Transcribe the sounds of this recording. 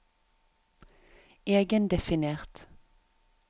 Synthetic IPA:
eːɡənd̪ɛfɪneːʁt̪

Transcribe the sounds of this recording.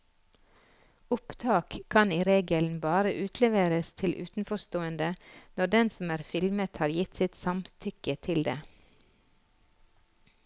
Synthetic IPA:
ʊpt̪ʰɑːkʰkːɑniːɾeːɡəln̩bɑːɾəʔʉːt̪ʰlɛʋeːɾəst̪ʰɪlʔʉ̰ːt̪n̩fɔst̪oːənd̪ənɔɖɛnsɔm̩æːɾfɪlmət̪hɑːɾjɪt̪sɪt̪sɑmt̪ʰʏkət̪ʰɪld̪ḛː

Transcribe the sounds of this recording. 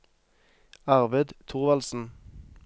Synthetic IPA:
ɑʁʋɛd̪t̪ʰuʁʋɑlsn̩

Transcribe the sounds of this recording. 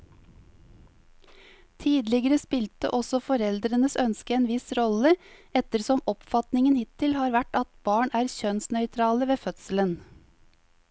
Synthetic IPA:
t̪ʰiːd̪lɪɡəɾəspɪlt̪ə̰ʔɔsɔfɔɾɛld̪ɾənəsœnskəeːnʋɪsɾɔləɛt̪əɾsɔmɔpfɑt̪nɪŋənhɪt̪ʰːɪlhɑːɾʋæʈɑt̪bɑːɳæːɾçœnsnœʏt̪ʰɾɑːləʋeːfœt̪sələn

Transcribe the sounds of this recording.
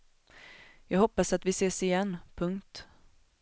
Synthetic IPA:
jɑːɡɦɔpːasat̪vɪseːsɪjɛnːpʰɵŋkt̪

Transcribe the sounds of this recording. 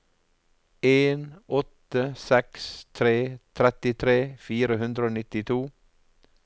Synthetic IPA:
eːnʔɔt̪əsɛkst̪ʰɾeːt̪ʰɾɛt̪ɪt̪ʰɾeːfiːɾəhʉnd̪ɾəoːnɪt̪ɪt̪ʰuː

